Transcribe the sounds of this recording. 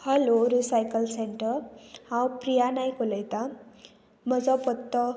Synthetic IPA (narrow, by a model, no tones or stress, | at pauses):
hʌloɾisajkʌlseɳʈʌhãwprijanajkoləjt̪a | mʌd͡zʌpʌt̪ːʌ